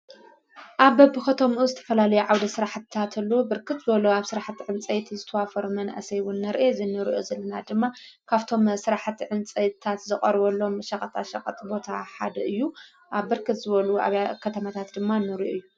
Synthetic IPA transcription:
ʔaβːɐbɨxɐt̪ʰomʔuzɨt̪ʰɐ̥fɐlalɐjuʕawd̪ɐsɨɾaħt̪t̪ʰat̪ʰɨlːobɨɾkʰɨt̪zɨβɐloaβsɨɾaħt̪iʕɨnt͡sʼɐjt̪ʰzɨt̪ʰɐwafɐɾumɐna̰sɐjwunːɐɾʔezɨnːɨɾiʔo̰zɐlːɐnad̪ɨmːakʰaβt̪ʰo̞msɨɾaħt̪ʰʕɨnt͡sʼɐjt̪ʰat̪zɨχʼɐɾβɐlːo̞mʃɐkʼɐt̪ʼʰaʃɐkʼɐt̪ʼbo̞t̪ʰaħa̰d̪ɐʔɨjːu | ʔaβːɨɾkʰɨt̪zɨβɐlua̰βjakʰɐt̪ʰɐmat̪ʰat̪d̪ɨmːanɨɾiʔoɨjːu

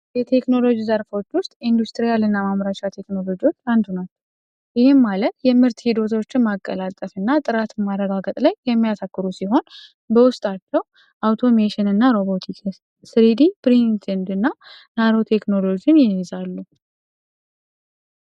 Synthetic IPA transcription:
jɛt̪ʰe̞kno̞lo̞d͡ʒizəɾfot͡ʃːwʊst̪ʼind̪ust̪ʼɾijalɨnːamamɾaʃat̪ʰe̞kno̞lo̞d͡ʒiwo̞t͡ʃːand̪unalː | ʔɪhɪmːalət̪jɛmɨɾt̪hid̪o̞t̪ʰo̞t͡ʃːɪnmakʼːəlat̪ʼəfɨnːat̪ʼɨɾat̪marəɡaɡət̪ʼlajjɛmːijat̪ʰakːɨɾusiɦo̞n | bəwʊst̪ʼat͡ʃːɛw | ʔawt̪ʰo̞meʃɪnɨnːaɾo̞bo̞t̪ʰikʰ | sɾid̪ibɾint̪ʰend̪ɨnːanaɾo̞t̪ʰe̞kno̞lo̞d͡ʒiɪnjɪhezalːu

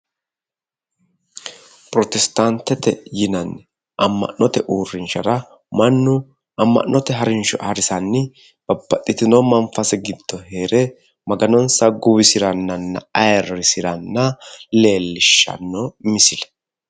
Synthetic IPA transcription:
pʼɾɔt̪ɛst̪ɐnt̪ɛt̪ɛjɪnɐnː | ɐmːɐ̰ʔɔt̪ɛʔuːrːɪnʃɐɾɐ | mɐnːʊ | ɐmːɐ̰ʔːɔt̪ɛɦɐɾɪnʃɔɐɾɪsɐnːɪ | b̥ɐbːɐt̪ʼːɪt̪ɪnomɐnfɐsɛɡɪd̪̥ːɔheːɾɛ | mɐɡɐnɔnsɐɡʊbɪsɪɾɐnːɐnːɐ̰ɐjɛrːɪsɪɾɐnːɐle̞ːlːɪʃːɐ̰nːɔmɪsɪlɛ̥

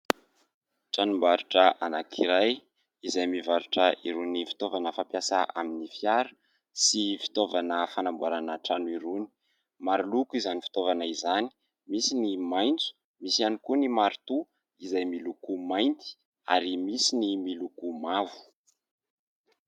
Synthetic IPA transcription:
ʈ͡ʂanumbaɾuʈ͡ʂəʔanakʰiɾaj | izajmivaɾuʈ͡ʂəḭɾunifi̥t̪ovanəfampjasaʔaminifjaɾə̥ | sifi̥t̪ovanəfanambuaɾanəʈ͡ʂanuiɾuni̥ | maɾulukuizanifi̥t̪ovanaizani̥ | misinimajnt͡su̥ | misianikunimaɾut̪u | izajmilukumajnt̪i̥ | a̰ɾimisinimilukumavu̥

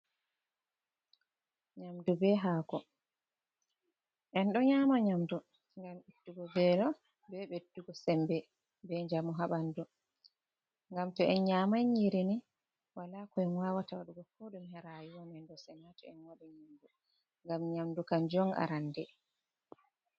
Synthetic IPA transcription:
ɲamdubɛɦaːkɔ | ʔɛnɗɔɲaːmaɲamdu | ŋɡamitːuɡɔbɛɗɔ | bɛbɛdːuɡɔsɛmbɛ | bɛɲd͡ʒamɔɦaɓandu | ŋɡamtɔʔɛnɲamajɲiɾini | walaːkɔɛnwaːwatawaɗuɡɔfoɗumhɛɾajiwamɛnɗɔsɛnatɔɛnwaɗiɲamdu | ŋɡamɲamdukand͡ʒɔŋa̰ɾandɛ

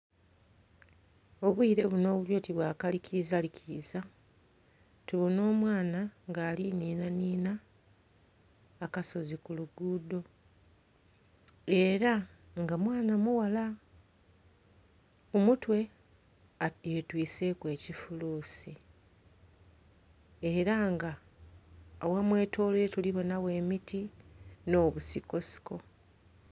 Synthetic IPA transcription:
o̞βwiːɾe̞βuno̞ːβuljo̞ːtiβwaːkalicʰizalicʰiza | tuβuno̞ːmwaːnaŋɡaːliniːnaniːna | kaso̞zikuluɡuːdo̞ | e̞ːɾa | ŋɡamwaːnamuwala | omutwe̞ | aje̞twiːse̞kwe̞ːcifuluːsi | e̞ɾaŋɡa | owamwe̞ːtʰo̞ːleetuliβo̞nawe̞ːmitino̞ːβusiko̞si̥ko̞

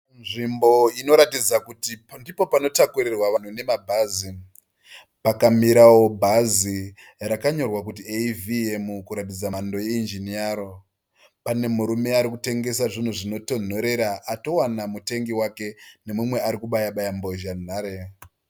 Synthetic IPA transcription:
nʐimbo̞ino̞ɾatid͡zakutindipo̞pano̞takurirwaʋan̤une̞mabʱaːzi | pakamiɾawo̞bʱazi | ɾakaɲo̞rwakut̬ieviemukuɾatid͡zaando̞jeind͡ʒiniaɾo | pane̞muɾume̞aɾikute̞ŋɡe̞saʐin̤uʐino̞to̞n̤o̞ɾe̞ɾaʔato̞wanamute̞ŋɡiwake̞ne̞mumwe̞aɾikuɓajaɓajamboʒan̤aːɾe

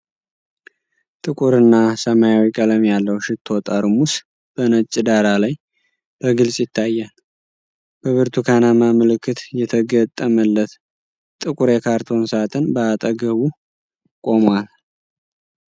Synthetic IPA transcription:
t̪ʼɨkʼuɾɨnːasəmajawikʼələmjalːəwʃɪt̪ʰːo̞t̪ʼaɾumus | b̥ənət͡ʃʼːɪd̪aɾalaj | b̥əɡɨlsʼjɪt̪ʰːajːal | b̥əβɨɾt̪ʰukʰanamamɨlɨkːɨt̪jɛt̪ʰəɡət̪ʼːəməlːət̪ | t̪ʼɨkʼuɾekʰaɾt̪ʰo̞nsat̪ʰɨnbəat̪ʼəɡəβu | kʼo̞mwal

